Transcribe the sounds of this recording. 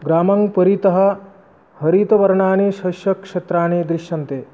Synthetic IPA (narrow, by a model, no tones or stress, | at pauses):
ɡɾaːmɐŋpɐɾit̪ɐɦɐ̆ | hɐɾit̪ɐʋɐɾɐɳaːneːʃɐʃjɐkʂet̪ɾaːneːd̪ɾiʃjɐnt̪eː